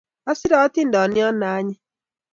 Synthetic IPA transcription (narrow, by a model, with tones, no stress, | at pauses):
a˦si˦ɾɔː˨˦ti˦ndɔ˨ni˦ɔ˦naː˦ɲi˦